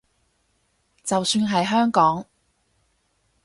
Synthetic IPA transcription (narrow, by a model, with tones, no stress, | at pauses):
t͡sɐ˨wsyː˧nɦɐ˨jɦœː˥ŋkɔː˨˥ŋ